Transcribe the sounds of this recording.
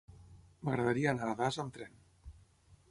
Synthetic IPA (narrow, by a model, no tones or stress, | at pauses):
məɣɾaðaɾiaːnaðazamt̪ɾɛn